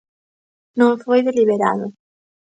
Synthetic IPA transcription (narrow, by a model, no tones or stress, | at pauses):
nõŋfojðeliβeɾa̰ðʊ